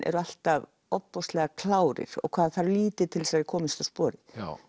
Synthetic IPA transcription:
ʔɛ̰ɾʏal̥t̪av | ɔpːɔst̪lɛɣakʰlaːwɾɪ̰ɾ̥ɔ̰ɣkʰv̥aːðθaɾliːt̪ɪɾ̥t̪ʰɪlsaɾɪ̥kʰɔːmɪst̪aspɔːɾɪ

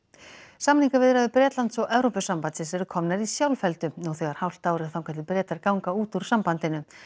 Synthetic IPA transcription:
samniŋkavɪðɾaðʏpɾɛːt̪lant̪sɔɣɛvɾowpʏsampansɪsɛɾʏkʰɔmnaɾisjawlfɛlt̪ʏuɣθœjɣaɾ̥hawl̥t̪aːwɾɪ̥θawkʰaɛt̪lɪlpɾɛːt̪aɾkawŋkauːt̪uɾ̥sampant̪ɪnʏ

